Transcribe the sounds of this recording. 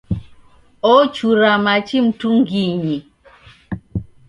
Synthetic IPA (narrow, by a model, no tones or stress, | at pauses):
ɔt͡ʃuɾamat͡ʃim̩tuŋɡiɲi